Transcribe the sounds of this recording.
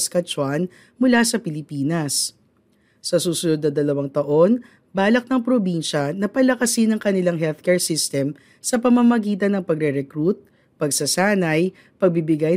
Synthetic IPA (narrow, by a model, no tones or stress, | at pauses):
skɐt͡ʃwan | mʊlasɐpɪlɪpiːnɐs | sɐsuːsʊnod̪nɐd̪ɐlɐwɐŋt̪ɐʔo̞n | baːlɐk̚nɐŋpɾobinʃɐnɐpɐlɐkɐsɪnɐŋkɐnɪlaŋɦɛlθkɛɹsist̪ɛm | sɐpɐmamɐɡiːt̪̬ɐnɐŋpɐɡɾɛɾɛkɾut̪̚ | pɐɡsɐsaːnɐj | pɐɡ̚bibɪɡaj